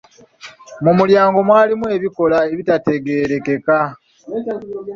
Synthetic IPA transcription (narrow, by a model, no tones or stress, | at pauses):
mumuljaːŋɡo̞mwaːlimwe̞ːβiko̞lae̞βitate̞ɡe̞ɾe̞ke̞ka